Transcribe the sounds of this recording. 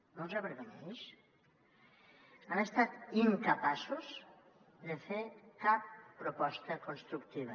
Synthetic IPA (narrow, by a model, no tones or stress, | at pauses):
nozaβeɾðoneʃ | anest̪at̪iŋkəpasuz | d̪efekapːɾopɔst̪əkonst̪ɾukt̪iβ̞ɐ